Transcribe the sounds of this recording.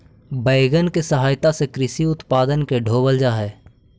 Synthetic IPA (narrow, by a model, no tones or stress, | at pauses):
bəɪɡənkesəɦaːjt̪asekɾɪʃiʊt̪paːd̪ənkeɖʱoːbəld͡ʒaɦɛː